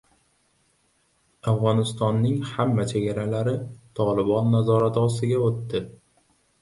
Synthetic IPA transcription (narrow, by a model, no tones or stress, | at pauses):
afʁɒnɪst̪ɒnːɪŋhamːat͡ʃʰeɡʲaɾalaɾɪt̪ʰɒlɪbɒnːazɒɾat̪ɒst̪ɪɡʲaot̪ːɪ